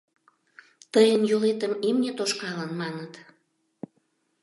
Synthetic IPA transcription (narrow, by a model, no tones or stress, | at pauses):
t̪əjənjolet̪əmimnʲet̪oʃkɑlənmɑnət̪